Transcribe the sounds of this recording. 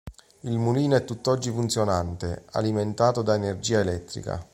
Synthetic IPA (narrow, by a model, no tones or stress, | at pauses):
ilmuliːnoɛt̪ːut̪ːɔd͡ʒːifunt̪sjonant̪ea̰liment̪aːt̪od̪aenerd͡ʒiːaelɛt̪ːɾḭka̰